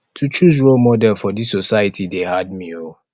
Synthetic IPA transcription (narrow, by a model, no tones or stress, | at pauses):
tʰut͡ʃuzɹolmɔdɛlfɔdissosaɪjətʰidehad̚mio